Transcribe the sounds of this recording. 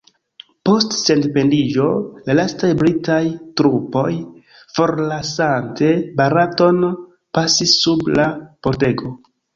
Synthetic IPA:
po̞stse̞ndpe̞lid͡ʒo̞lalastajbɾitajtɾupo̞j | fo̞ɾlasante̞baɾato̞n | pasisːublapo̞ɾte̞ɡo̞

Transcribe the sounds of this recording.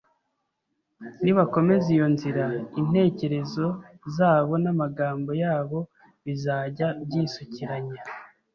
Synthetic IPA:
niβako̞me̞zijo̞nziɾain̥e̞ːce̞ɾe̞zo̞ | zaːβo̞namaɡaːmbo̞jaːβo̞ | βizaːɟabɟiːsuciɾaɲa

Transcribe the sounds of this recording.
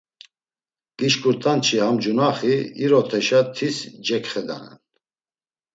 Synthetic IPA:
ɡ̥iʃkʰʼuɾt̪ʰant͡ʃʰihamd͡ʒunaχiiɾɔt̪ʰɛʃat̪ʰisd͡ʒɛkʰχɛd̪a̰nɛ̰n

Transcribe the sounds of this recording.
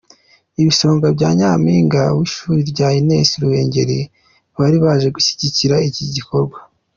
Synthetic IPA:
iβiso̞ːŋɡabɟaːɲaːmiːŋɡawiʃuːɾiɾɟaːjineːsiɾuwe̞ːɲɟe̞ɾi | βaɾiβaːʒe̞ɡuçi̥ɟiciɾaiciɟiko̞ɾɡwa

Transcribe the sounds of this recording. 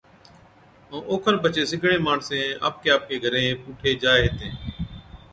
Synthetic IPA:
õːʔoːkʰənpət͡ʃeːsɪɡʱɳẽːmaːɳsẽːa̰ːp̚keːaːp̚keːɡʱəɾẽːpuːʈʰeːd͡ʒaːeɦeːt̪ẽː

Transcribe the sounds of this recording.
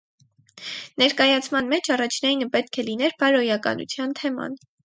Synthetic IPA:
nɛɾkɑjɑt͡sʰmɑnmɛt͡ʃʰɑrɑt͡ʃʰnɑjinəpɛt̪̚kʰɛlinɛɾpɑɾɔjɑkɑ̰nʔṵt͡sʰjɑnt̪ʰɛmɑ̰n

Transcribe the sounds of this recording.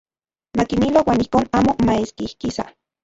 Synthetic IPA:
makimilowaːnihkoːnaːmomaeskihkisa̰

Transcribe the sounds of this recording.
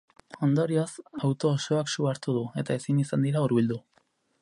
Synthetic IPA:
o̞nd̪o̞ɾiosawt̪o̞ːso̞aksuaɾt̪uðue̞t̪ae̞sinisand̪iɾauɾβild̪u

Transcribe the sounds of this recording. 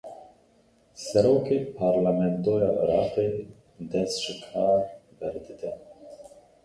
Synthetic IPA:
sɛɾoːkeːpʰɑːɾlamɛnt̪oːjɑːʔə̰ɾɑːqeː | d̪ɛst̪ʒ̥ɪkʰɑːɾbɛɾd̪ɨd̪ɛ

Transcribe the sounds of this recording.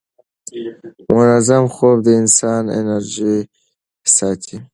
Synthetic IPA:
mʊnazamxob̚d̪əɪnsɑːnḛnaɾʒi | sɑːt̪ʰi

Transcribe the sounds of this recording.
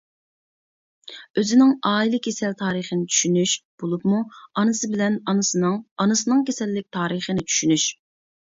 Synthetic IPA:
øzɪnɪŋɑːilˠɪkʲʰesɛlt̪ʰɑːɾiχənɪt͡ʃʰy̥ʃynyʃb̥olˠupmuɑnɨsɨbɪlɛnɑnɨsɨnɨŋɑnɨsɨnɨŋkʲʰesɛlːɪk̚ʲt̪ʰɑːɾiχənɪt͡ʃʰy̥ʃynyʃ

